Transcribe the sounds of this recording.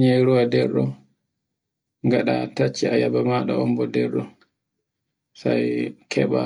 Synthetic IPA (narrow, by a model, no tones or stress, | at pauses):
ɲɛɾuwadɛɾɗɔ | ŋɡaɗatat͡ʃːiajabamaɗa̰ɔmbɔdɛɾɗɔ | sajkʰɛɓa